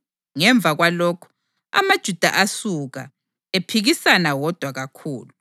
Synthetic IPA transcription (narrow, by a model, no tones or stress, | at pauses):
ŋɛɱbvʱaɣwalɔːkʰu̥ | a̰mad̥ʒ̥ʱud̥ʱa̰ʔasuɣa̰ | epʰiɣisanawɔd̥ʱwaɣakʰuːlu